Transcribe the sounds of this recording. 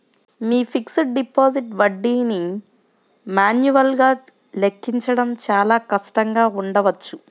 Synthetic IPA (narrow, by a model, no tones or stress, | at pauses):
miːpʰiksɐʈ̚ɖipoːziʈʋɐɖːiːni | maːnjuʋɐlɡaː | lekːiɲt͡ʃɐɽɐmt͡ʃaːlaːkɐʂʈɐŋɡaːuɳɖɐʋɐt͡ʃːu